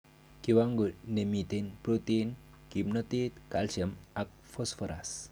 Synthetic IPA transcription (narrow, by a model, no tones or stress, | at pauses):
kiwaŋɡuɾnemit̪enpɾot̪en | kimnɔt̪et̪kalsəmak̚fosfɔɾa̰s